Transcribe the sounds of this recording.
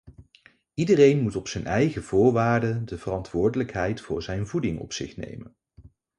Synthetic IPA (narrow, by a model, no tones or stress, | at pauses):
idərejnmutɔpsɛnɛjχəv̥ʊːɹʋaːɹdədəvərɑntʋʊːɹdələkɦɛjtfʊ̰ːɹzɛjnvudɪŋɔ̰psɪ̰χnḛjmə̰n